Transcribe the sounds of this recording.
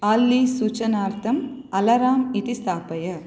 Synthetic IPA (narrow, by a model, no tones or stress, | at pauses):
aːlːiːsuːt͡ʃɐnaːɾt̪ʰɐmɐlɐɾaːmit̪ist̪aːpɐjɐ